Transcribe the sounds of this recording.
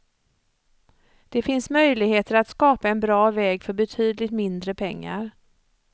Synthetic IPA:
d̪̥ɛfɪnsmœjlɪɡheːt̪əɾat̪skɑːpaɛnbɾɑːvɛːɡfœɾbɛt̪ʰyːd̪lɪt̪mɪnd̪ɾəpʰɛŋːa̰ɾ

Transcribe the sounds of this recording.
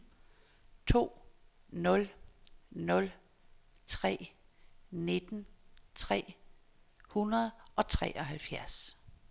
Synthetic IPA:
t͡sʰo̝̰ː | nɔ̽l | nɔ̽l | t͡sʰʁɛ̰ː | ne̝d̥n̩t͡sʰʁɛ̰ː | hunɐð̩ˠʔɒ̽t͡sʰʁɛ̰ːʔɒ̽ɦælfjæɐs

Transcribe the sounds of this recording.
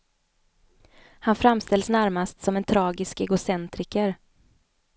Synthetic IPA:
hanfɾamst̪ɛlsnæɾmast̪sɔmɛnt̪ʰɾɑːɡɪskɛɡʊsɛnt̪ɾɪkəɾ

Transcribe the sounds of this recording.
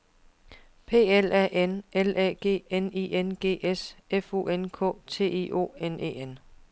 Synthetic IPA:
pʰe̝̰ːelæʔenelɛ̰ɡ̥e̝̰ːeniːenɡ̥e̝̰ːesefu̝̰enkʰɔ̰̽ːt͡sʰe̝̰ːe̝̰ːʔo̝̰ːenḛːen

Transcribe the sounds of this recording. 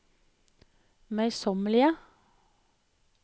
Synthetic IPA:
mœʏsɔməlɪə

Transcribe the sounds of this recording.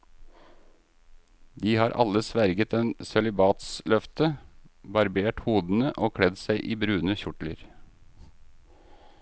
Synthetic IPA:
d̪iːhɑːɾʔɑ̰ləsʋæɾɡət̪eːnsɛlɪbɑːt̪slœft̪əbɑɾbeːʈhuːd̪n̩əʔoːkʰɽɛd̪sæɪʔiːbɾʉːnəçʊʈlə̰ɾ

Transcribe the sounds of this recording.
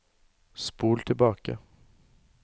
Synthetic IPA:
spuːlt̪ʰɪlbɑːka̰

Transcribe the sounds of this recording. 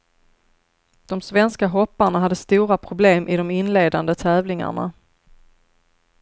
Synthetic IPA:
d̪̥ɔmsvɛnskaɦɔpːaɳaɦad̪ːəst̪uːɾapʰɾʊbleːmʔɪd̪ɔmɪnleːd̪and̪ət̪ʰɛːvlɪŋa̰ɳa̰

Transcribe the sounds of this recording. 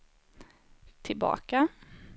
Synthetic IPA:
t̪ʰɪlbɑ̰ːka

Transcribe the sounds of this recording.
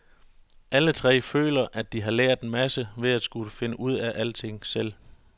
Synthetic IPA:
ʔælət͡sʰʁɛ̰ːfø̰ːlɐʔæd̥iɦɑ̈leɐ̰d̥enmæsəʋe̝ðˠæd̥sɡ̥uləfe̝nəʔuð̞̰ˠæʔæl̰t͡sʰe̝ŋ̰sel̰

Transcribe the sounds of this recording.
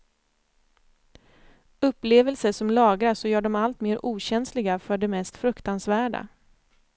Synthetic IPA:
ɵpːleːvɛlsəʂɔmlɑːɡɾasɔjœːɖɔmalt̪meːɾʔuːɕɛnslɪɡafœɖɛmɛst̪fɾɵkt̪ansvæːɖa̰

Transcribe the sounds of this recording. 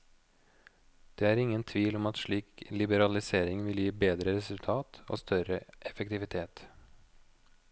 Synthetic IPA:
d̪̥eːæːɾɪŋːənt̪ʰʋiːlɔmɑt̪ʂɭiːklɪbəɾɑlɪseːɾɪŋʋɪljiːbeːd̪ɾəɾɛsʉlt̪ʰɑːt̪o̰ːst̪ʰœɾəʔɛfəkt̪ɪʋɪt̪ʰeːt̪

